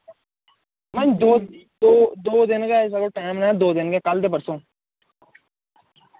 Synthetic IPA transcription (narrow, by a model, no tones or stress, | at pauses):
mɐɲd̪od̪od̪oːd̪ɪnɡes̬ɐkoʈaːmnãd̪oːd̪ɪnɡekɐld̪eːpɐɾsõː